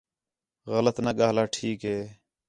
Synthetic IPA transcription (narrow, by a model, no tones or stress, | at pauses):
ɣələt̪naːɠaːlaːʈʰiːkɦeː